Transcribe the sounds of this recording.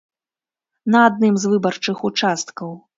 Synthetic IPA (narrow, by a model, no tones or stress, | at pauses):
nɐad̪nɨmzvɨbɐrt͡ʂɨxut͡ʂast̪kɐw